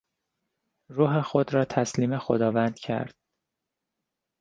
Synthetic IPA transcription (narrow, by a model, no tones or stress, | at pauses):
ɾuːɦe̞xod̪ɾɒːt̪ʰæsliːmexod̪ɒːvænd̪̥cʰæ̰ɾd̪̥̚